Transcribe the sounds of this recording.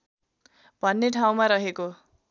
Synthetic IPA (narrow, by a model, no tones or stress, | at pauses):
b̥ʱʌnːeʈʰaw̃maɾʌɦeko